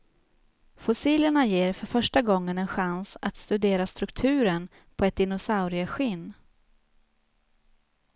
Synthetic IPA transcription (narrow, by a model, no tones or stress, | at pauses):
fʊsiːləɳajeːɾfœɾfœʂʈaɡɔŋːənɛnɧansa̰t̪st̪ɵd̪eːɾast̪ɾɵkt̪ʰʉ̟ːɾən | pʰɔɛt̪̚d̪ɪnʊsaʊɾɪəɧɪnː